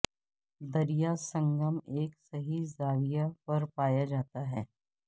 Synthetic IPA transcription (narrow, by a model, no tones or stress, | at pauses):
d̪ɐɾijasɐ̃ŋɡəmeːksɐɦizaːʋijapɐɾpaːjad͡ʒaːt̪aɦɛː